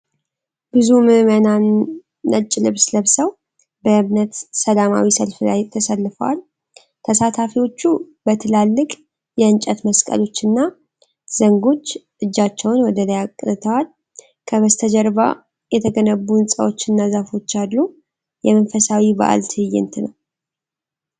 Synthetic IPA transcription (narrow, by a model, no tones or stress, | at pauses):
bɨzumɨmənanː | ət͡ʃʼːɪlɨβsləβsəw | bəɨmnət̪səlama̰wisəlfla̰jt̪ʰəsəlːfə̰wa̰l | t̪ʰəsat̪ʰafiwo̞t͡ʃːu | bət̪ʰɨlalːɨkʼ | jɛɨnt͡ʃʼət̪məskʼə̰lo̞t͡ʃːɨnːa | z̥əŋɡo̞t͡ʃː | ʔɨd͡ʒːat͡ʃːɛwnwɔd̪ələjakʼːt̪ʰəwal | kʰəβəst̪ʰəd͡ʒɛɾba̰ | jɛt̪ʰəɡənəbːunsʼə̰wo̞t͡ʃːɨnːazafo̞t͡ʃːadːu | jɛmənfəsawiba̰ʔa̰lt̪ʰɨjːɪ̰nt̪ʰnəw